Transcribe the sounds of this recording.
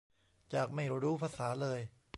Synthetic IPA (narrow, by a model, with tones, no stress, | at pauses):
t͡ɕaː˨˩k̚ma˥˩jɾuː˦˥pʰa˧saː˩˦lɤː˧j